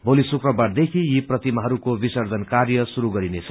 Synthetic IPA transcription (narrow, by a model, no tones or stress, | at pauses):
bolisukrʌbaɽd̪ekʰijiprʌt̪imaɦʌɾukobisʌrd͡zʱʌnkarjʌsuɾuɡʌɾinet͡sʰʌ̥